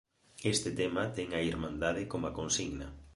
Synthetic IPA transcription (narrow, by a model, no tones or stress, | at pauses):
est̪et̪emat̪ɛŋɐiɾmãnd̪aðɪkomakõnsiɣnɐ